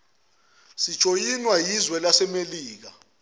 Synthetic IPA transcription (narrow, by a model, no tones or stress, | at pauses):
si̥t͡ʃʼojinwajizwɛlasɛmeliːk̬a̰